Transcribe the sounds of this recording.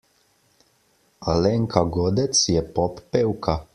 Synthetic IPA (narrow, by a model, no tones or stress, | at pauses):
alɛŋkʰaɡɔːd̪ɛt̪sjɛpɔpːewkʰa